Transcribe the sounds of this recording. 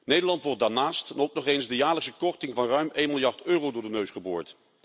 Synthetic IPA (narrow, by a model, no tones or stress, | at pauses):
nejdəɹlɑntʋɔɹt̚daːɹnaːstnɔwknɔχejnzdəjaːɹləksəkɔχtɪŋvɑnrœɥmejnmɪlˠjɑɹtøːrowdʊɹdənøɥsχəbo̰ːɹt